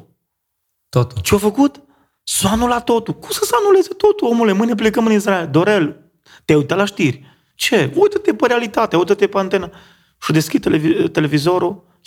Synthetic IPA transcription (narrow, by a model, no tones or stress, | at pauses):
t̪ot̪t͡ʃeofəkut̪ | sanulat̪o̞t̪ukumsəsanule̞zet̪o̞t̪uomulemɨnep̬lekəmɨnisɾaeld̪oɾel | t̪eajut̪alaʃt̪irʲ | t͡ʃeujt̪ət̪epəɾealit̪at̪eaujt̪ət̪epəant̪enə | ʃud̪eskʲit̪elevit̪e̞le̞vizo̞ɾo